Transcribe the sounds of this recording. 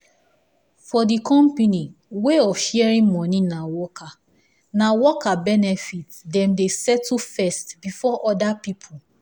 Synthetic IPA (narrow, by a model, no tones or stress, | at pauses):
fɔdikʰɔ̃mpeniweɔfʃiɛɹĩnmɔninawɔkʰa | nawɔkʰabɛnɛfit | dɛ̃mdesɛtlfɛstbifɔʔɔdapipʰu